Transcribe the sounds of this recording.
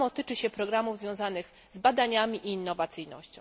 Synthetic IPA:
ɔt̪ɘt͡ʂɘɕɛpɾɔɡɾamuvzvʲjɔ̃w̃zanɘx | zbad̪aɲamʲiʔiːnːɔvat̪sɘjnɔ̰ɕt͡ɕɔ̃w

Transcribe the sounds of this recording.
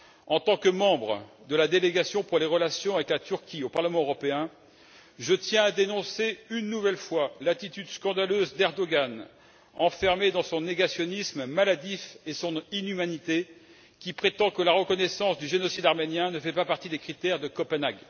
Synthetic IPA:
ɑ̃t̪ɑ̃kəmɑ̃bʁə | d̪əlad̪eleɡasjɔ̃puʁleʁəlasjɔ̃avɛklat̪yʁkʲiopaʁləmɑ̃øʁɔpeɛ̃ | ʒət̪jɛ̃ad̪enɔ̃seynːuvɛlfwalat̪it̪yd̪skɑ̃d̪aløzd̪ɛʁd̪ɔɡan | ɑ̃fɛʁmed̪ɑ̃sɔ̃neɡasjɔnismmalad̪ifesɔ̃ninymanit̪e | kʲipχet̪ɑ̃kəlaʁəkɔnɛsɑ̃sd̪yʒenɔsid̪aʁmenjɛ̃nəfɛpapaʁt̪id̪ekχit̪ɛʁd̪əkɔpənaɡ

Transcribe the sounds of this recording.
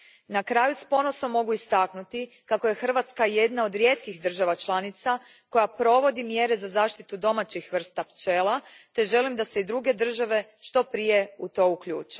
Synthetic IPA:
nakɾaːjuspo̞nosomːo̞ɡuist̪aknut̪i | kakoje̞xr̩ʋat̪skaje̞d̪nao̞d̪ɾje̞t̪kixd̪r̩ʒaʋat͡ʃlˠanit̪sa | ko̞japɾo̞ʋo̞d̪imje̞ɾe̞zazaːʃt̪it̪ud̪o̞mat͡ɕixʋr̩st̪apt͡ʃeːlˠat̪e̞ʒe̞limd̪ase̞id̪ɾuɡe̞d̪r̩ʒaʋe̞ʃt̪o̞pɾije̞ut̪o̞ukʎṵːt͡ʃe̥

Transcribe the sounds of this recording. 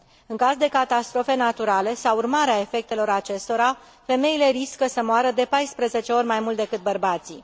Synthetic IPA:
ɨŋkazd̪e̞kat̪ast̪ɾo̞fe̞nat̪uɾale̞sawurmaɾeae̞fe̞k̚t̪e̞lo̞ɾat͡ʃe̞st̪o̞ɾa | fe̞me̞ile̞ɾiskəsəmoaɾəd̪e̞pajspɾəze̞t͡ʃe̞o̞rʲmajmult̪d̪e̞kɨt̪̚bərbat̪si

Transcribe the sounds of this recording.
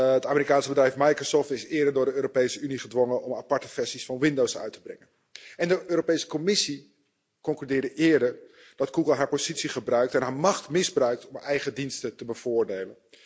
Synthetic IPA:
ətaːməɾikaːnsəbədrɛjfmajkrosɔːftɪsɪːɹdəɹdʊːɹdəøːɾopejsəyniχədʋoŋənɔmapɑɹtəfɛɹsisfɑnʋɪndowsœ̰ɥtʰəbrɛ̰ŋən | ʔɛndəʔøːɾopejsə̥komɪsi | kɔŋklydɪːɹdəʔɪːɹdəɹ | d̥ɑtɡ̥uɡəlˠɦaːɹpozitsiχəbrœɥk̚tɛnɦaːɹmɑχtmɪzbrœɥk̚tɔmɛjχədinstətəbəv̥ʊːɹdejlən

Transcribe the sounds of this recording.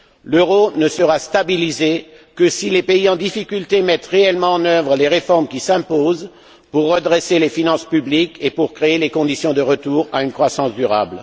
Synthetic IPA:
løʁonəsəʁast̪abilize | kəsilepeiɑ̃d̪ifikʲylt̪emɛt̪ʁeɛlmɑ̃ɑ̃nœvʁəleʁefɔʁmkʲisɛ̃poz | puʁːəd̪ʁeselefinɑ̃spyblikepuʁkχeelekɔ̃d̪isjɔ̃d̪əʁət̪uːʁaynkχwasɑ̃sd̪yʁa̰bl

